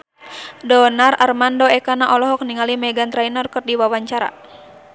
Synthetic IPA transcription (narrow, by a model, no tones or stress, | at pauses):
dɔnararmandɔɛkanaʔɔlɔɦɔk̚niŋalimɛɡant̪ɾainɔrkɔt̪̚diwawaɲt͡ʃaɾa̰